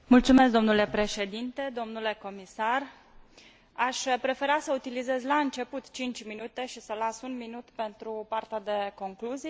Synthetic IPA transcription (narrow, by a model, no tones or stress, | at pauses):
mult̪sumesk̚d̪o̞mnule̞pɾe̞ʃe̞d̪int̪e̞d̪o̞mnule̞ko̞misar | aʃpɾe̞fe̞ɾasəut̪ilize̞zlaɨnt͡ʃe̞put̪t͡ʃint͡ʃʲminut̪e̞ʃisəlasunminut̪pe̞nt̪ɾupart̪ead̪e̞ko̞ŋkluzi